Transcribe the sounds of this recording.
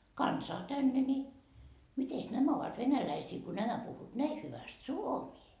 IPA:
kɑnsɑː tænːe ni mites næmæ oʋɑt ʋenælæisiː ko næmæ puhːuːt næi hyʋæst suomiː

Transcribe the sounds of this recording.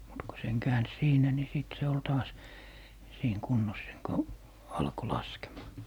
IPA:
mut ko seŋ kæːns siːnæ ni siˑt se ol tɑːs siːŋ kunːos seŋ ko ɑlko lɑskemɑː

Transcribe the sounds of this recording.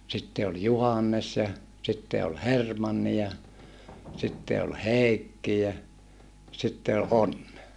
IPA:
sitːe ol juhɑnːes jɑ sitːe ol hermɑnːi jɑ sitːe ol heˑikːi jæ sitːe o ʔonːe

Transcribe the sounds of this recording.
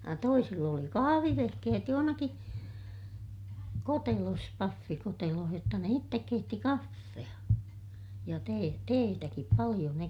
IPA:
jɑ toisilː oli kɑhɑʋiʋehkehet johonɑki kotelos pɑfːikoteloh jotːɑ ne itːek keitːi kɑfːeɑ jɑ teː teːtækip pɑlij̆o ne

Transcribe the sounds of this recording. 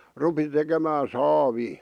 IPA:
rupi tekemæː sɑːʋiː

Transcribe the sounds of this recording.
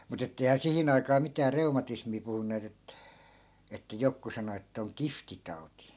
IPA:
mut etːei̯hæː sihin ɑikɑː mitæː reumɑtismiː puhunːeːt et etːæ jokːu sɑno etːæ̆ oŋ kiftitɑu̞ti

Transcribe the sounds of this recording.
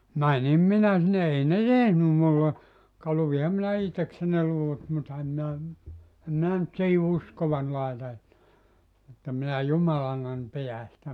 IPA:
mænim minæ sinːe ei ne tehnym mulːe kɑ luʋihɑm minæ ihteksen̆ ne luʋut mutːɑ em minæ em minæ ny̆t siːhi uskoʋɑn lɑetɑ etːæ etːæ minæ jumɑlɑnːɑn pijæ sĭtæ

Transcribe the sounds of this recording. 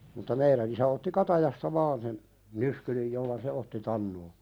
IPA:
mutːɑ meiɾæn isæ otːi kɑtɑjɑstɑ ʋɑːn sen nyskylij jolːɑ se otːi tɑnːoː

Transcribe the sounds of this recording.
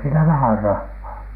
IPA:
siːnæ ʋæhær rɑhːɑː

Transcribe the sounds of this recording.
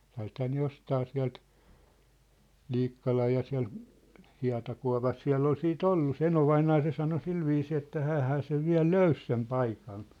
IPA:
siæ̝lthæː ne jostɑː siæ̝lt l̥iːkːɑlɑj jɑ siæ̝l hiɑ̝tɑkuɑ̝pɑs siæ̝lː ol siːt olːu se enoʋɑinɑː se sɑno silʋiːsiː etːæ hæːhæː seʋ ʋiæ̝l løys sem pɑikɑn

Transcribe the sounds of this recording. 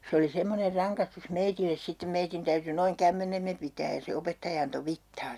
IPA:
se oli semːoner rɑŋkɑstus meitilːes sitːem meitin tæyty noiŋ kæmːenemːe pitæːj jɑ se opetːɑjɑ ɑnto ʋitːɑː

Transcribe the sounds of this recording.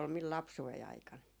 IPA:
ol mil lɑpsuei ɑikɑn

